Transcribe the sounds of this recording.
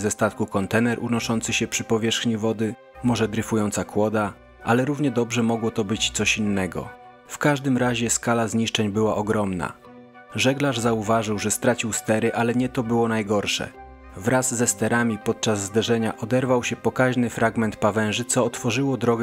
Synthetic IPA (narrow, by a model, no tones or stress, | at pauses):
zɛst̪at̪kukɔnt̪ɛnɛɾʔunɔʂɔnt̪sɘɕɛpʂɘpɔvʲjɛʂxɲivɔd̪ɘ | mɔʐɛd̪ɾɘfujɔnt̪sakwɔd̪a | ʔalɛɾuvɲɛd̪ɔbʐɛmɔɡwɔt̪ɔbɘt͡ɕt̪sɔɕinːɛɡɔ̰ | fkaʐd̪ɘmɾaʑɛskalazɲiʂt͡ʂɛɲbɘwaʔɔɡɾɔmna̰ | ʐɛɡlaʐzauvaʐɘwʐɛst̪ɾat͡ɕiwst̪ɛɾɘʔalɛɲɛt̪ɔbɘwɔnajɡɔɾʂɛ̰ | vɾʔazzɛst̪ɛɾamʲipɔt̪̚t͡ʂazːd̪ɛʐɛɲaʔɔd̪ɛɾvawɕɛpɔkaʑnɘfɾaɡmɛnt̪̚pavɛ̃ʐɘt̪sɔːt̪fɔʐɘwɔd̪ɾɔɡ